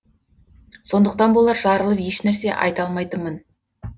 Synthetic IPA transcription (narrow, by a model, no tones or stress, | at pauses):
so̞nd̪əq̚t̪ɑnbolˠɑɾʒɑɾəlˠəpje̞ʃnæɾse̞ʔɑ̰jt̪ɑlˠmɑjt̪əmən